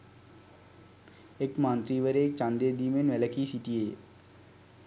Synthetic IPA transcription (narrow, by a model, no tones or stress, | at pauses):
ekmant̪ɾiːʋəɾeːt͡ʃand̪eːd̪iːmenʋɛləkiːsit̪ijeː